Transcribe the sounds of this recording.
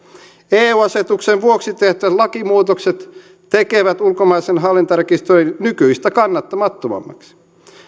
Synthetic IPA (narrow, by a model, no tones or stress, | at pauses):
eːuːɑset̪ukseʋʋuoksit̪eht̪yæt̪lɑkimuːt̪okset̪ | t̪ekeʋæt̪ulkomɑisenɦɑlːint̪ɑrkist̪oinnykyist̪ækɑnːɑt̪ːɑmɑt̪ːomɑ̰mːɑ̰ksi̥